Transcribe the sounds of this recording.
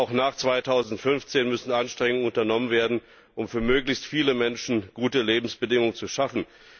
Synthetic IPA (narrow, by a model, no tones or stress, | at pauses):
aʊxnaːχt͡sv̥aɪtʰaʊzn̩tfʏnft͡seːnmʏsn̩ʔanʃtʁ̥ɛŋʊŋənʊntɐnɔmənveːɐdn̩ | ʔʊmfyːɐmøːklɪçstfiːləmɛnʃn̩ɡ̥uːtəleːbm̩sb̥ədɪŋʊŋət͡suʃafn̩